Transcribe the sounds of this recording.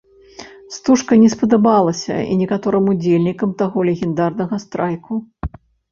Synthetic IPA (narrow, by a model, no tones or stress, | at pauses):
st̪uʂkɐnʲɛspɐd̪abalˠɐsʲɐ̰ḭnʲɛkat̪ɔɾɨmud͡zʲelʲnʲikɐmt̪aɣɔlʲɛɣʲɛnd̪arnɐɣɐst̪ɾʔajku